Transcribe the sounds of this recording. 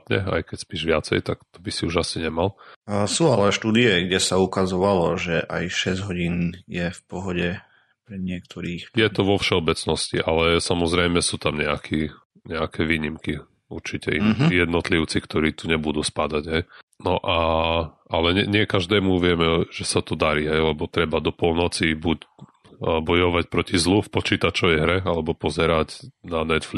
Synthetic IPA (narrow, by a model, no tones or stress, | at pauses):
t̪ɲɛ̰a̰jkɛcspiːʒʋɪat͡sɛ̰jt̪akt̪ɔbisiuʒasiɲɛmalsuːalɛʃt̪uːd̪iɛɡɟɛsaukazɔʋalɔʒɛʔa̰jʃɛzɟɦɔɟiːnjɛfpɔɦɔɟɛ | pɾɛɲɪɛk̚t̪ʰɔɾiːxjɛt̪ɔʋɔfʃɛɔbɛt͡snɔscḭʔalɛsamɔzɾɛjmɛsuːt̪amɲɛakʰi | ɲɛakʰɛʋiːɲimki | ṵɾt͡ʃicɛ̰ʔḭnijɛd̪nɔt̪liʊt͡sikt̪ɔɾiːt̪uɲɛbud̪uːspad̪aɟɦɛjnɔʔaʔalɛɲɛɲɪɛkaʒd̪ɛːmuʋɪɛmɛʒ̥ɛsat̪ɔd̪aɾiɦɛjlɛbɔt̪ɾɛbad̪ɔpɔlnɔt͡sibuɟ | bɔjɔʋac̚pɾɔcizlufpɔt͡ʃiːt̪at͡ʃɔʋɛjɦɾɛalɛbɔpɔzɛɾaɟnanɛt̪fl